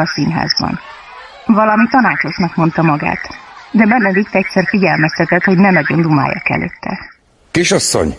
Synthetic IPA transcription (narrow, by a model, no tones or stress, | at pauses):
ɒsinɦa̰ːzbɒ̰n | vɒlɒmit̪ɒnaːt͡ʃo̞ʃnɒkmo̞nt̪ɒmɒɡa̰ːt̪d̪ɛbɛnːɛd̪it̪ːɛc̚tʲsɛrfiɟɛlmɛst̪ɛt̪ɛt̪ho̞ɟnɛnɒɟo̞nd̪uma̰ːja̰kɛ̰lø̰ːt̪ʰːɛ̰ | keʃɒsːo̰ɲ